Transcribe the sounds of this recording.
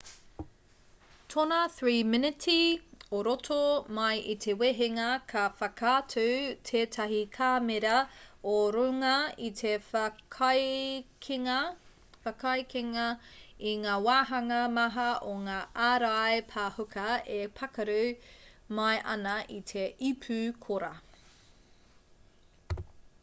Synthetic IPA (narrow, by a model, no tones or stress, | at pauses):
tʰonɐθɹiːmɪnɪtʰioɾotʰomɐjʔitʰeweɦeŋɐkʰɐfɐkʰaːtʰʉtʰeːtʰɐɦikʰaːmeɾɐoɾuŋɐitʰekʰɐjkʰiŋɐ | fɐkʰɐjkeŋɐiŋaːwaːɦɐŋɐmɐɦɐoŋaːʔaːɾajpʰaːhukʰɐepʰɐkɐɾu | mɐjʔɐ̰nɐʔitʰeipʰʉkʰoɾɐ